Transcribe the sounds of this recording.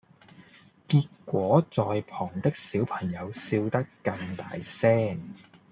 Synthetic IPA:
kiː˧t̚kːʷɔː˨˥t͡sɔː˨jpʰɔː˨˩ŋt̪ɪ˥k̚siː˨˥wpʰɐ˨˩ŋjɐ˨˧wsiː˧wt̪ɐ˥kːɐ˧ŋt̪a̰ː˨˧jsɛː˥ŋ

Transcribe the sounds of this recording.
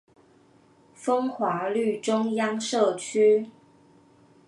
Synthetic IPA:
fɤ˥ŋxwa˧˥ly˥˨˩ʈ͡ʂʊ˥ŋjɑ˥ŋʂɤ˥˩t͡ɕʰy˥

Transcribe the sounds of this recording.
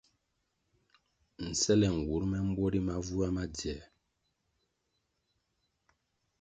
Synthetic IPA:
n̩˨sɛ˦lɛ˨ŋ̩˨wu˨˦ɾmɛ˦m̩˦bwɔ˦ɾi˦ma˦vu˦a˦ma˦djɛ˨

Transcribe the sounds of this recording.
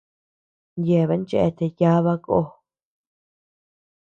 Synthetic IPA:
nje˨βe˧˦nt͡ʃe˧ʔe˦˧t̪e˨ja˦βa˦ko̰˦

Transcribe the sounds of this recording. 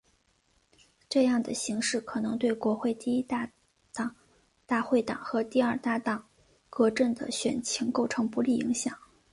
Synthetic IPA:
ʈ͡ʂɤ˥˧jɑ˥˩ŋd̪ə˩ɕi˧˥ŋʂɻ̩˥˩kʰɤ˨˩nɤ˧˥ŋt̪we˥˩ɪkwɔ˧˥xwe˥˧ɪt̪i˥˧i˥˩ | ɑ˨˩ŋ | t̪a˥˧xwe˥˩ɪt̪ɑ̰˨˩˦ŋxɤ˧˥t̪i˥˧ɐ˞˥˧t̪a˥˩t̪ɑ˨˩˦ŋ | kɤ˧˥ʈ͡ʂə˥˩nd̪ə̰˩ɕɥɛ̰˨˩nt͡ɕʰi˧˥ŋko˥˩ʊʈ͡ʂʰɤ˧˥ŋpu˧˥li˥˩ḭ˧˥ŋɕjɑ̰˨˩˦ŋ

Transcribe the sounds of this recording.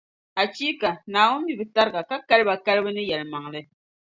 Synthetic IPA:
a˨t͡ʃi˦ka˨na˨wu˦m̩˦bi˨bɨ˨ta˦ɾɡa˨ka˦kɛ˦lba˨ka˦lbɨ˦nɨ˦jɛ˨lma˨ŋlɛ˦

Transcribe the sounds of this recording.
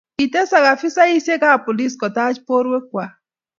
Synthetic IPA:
i˨te˦sa˨ɣa˨fi˦sa˦i˦sje˦ka˦˨pɔ˨li˦skɔ˨ta˦d͡ʒpo˦ɾwe˦kwa˨

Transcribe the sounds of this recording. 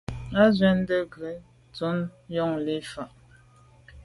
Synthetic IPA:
a˦zwɛ˦n˦də˦ɡə˨˦ | t͡su˨˦njɔ˦ŋle˦fa˨ʔ

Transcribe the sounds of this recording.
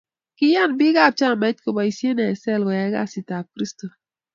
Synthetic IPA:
kɪ˦ja˦˨nbɪ˦ɡa˦˨b̚t͡ʃa˦˨mɛ˨˦t̚ko˨ba˨i˦sje˦nɛ˨sɛ˦˨lɡɔ˨jɛ˦ɡa̰˦˨si˨ta˨kɾi˦sto˨

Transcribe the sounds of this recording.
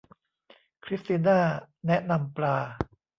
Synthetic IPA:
kʰɾi˦˥st̪iː˧naː˥˩ | nɛ˦˥ʔna˧mplaː˧

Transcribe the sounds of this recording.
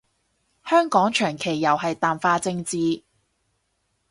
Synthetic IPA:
hœː˥ŋkɔː˨˥ŋt͡ʃʰœː˨˩ŋkʰe˨˩jːɐ˨˩wɦɐ˨jt̪aː˨mfaː˧t͡sɪ˧ŋt͡siː˨˧

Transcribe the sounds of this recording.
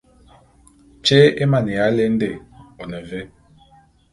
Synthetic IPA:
t͡ʃe˦e˦ma˨nɛ˨a˨˦le˦n̩˦de˨o˨nɛ˨ve˦

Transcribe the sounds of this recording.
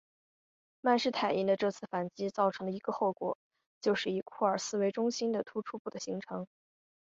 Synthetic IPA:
ma˥˧nʂɻ̩˥˩t̪ʰa˨˩ɪi˧˥nd̪ə˧ʈ͡ʂɤ˥˧t͡sʰɹ̩˥˩fa˨˩nt͡ɕi˥t͡sɑ˥˩ʊʈ͡ʂʰɤ˧˥ŋlə˧i˧˥ɡə˧xo˥˩ʊkwɔ˨˩˦ | t͡ɕjo˥˧ʊʂɻ̩˥˩i˨˩kʰu˥˩ə˞˨˩sɹ̩˥˩we˧˥ɪʈ͡ʂʊ˥ŋɕi˥nd̪ə˨t̪ʰu˥ʈ͡ʂʰu˥pu˥˩d̪ə˩ɕi˧˥ŋʈ͡ʂʰɤ˧˥ŋ

